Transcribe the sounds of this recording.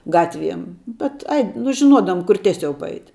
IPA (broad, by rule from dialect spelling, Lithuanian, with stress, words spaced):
ˈɡɑːtʲˌʋʲiɛm ˈbʲɛt ˈɐɪ nʊ ʒʲɪˈnuɔdɐʋʊm kʊr ˈtʲiɛˌsʲɛʊ pɐˈɐɪtʲ